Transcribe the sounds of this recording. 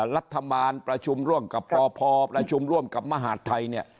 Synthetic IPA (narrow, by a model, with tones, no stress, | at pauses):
ɾa˦˥t̪ʰːa˧baː˧npɾa˧t͡ɕʰu˧mɾu˥˩əmka˨˩pʰːɔː˧pʰɔː˧pɾa˧t͡ɕʰu˧mɾu˥˩əmka˨˩p̚ma˧ɦaː˨˩˦t̪ʰːa˧jni˥˩ɐ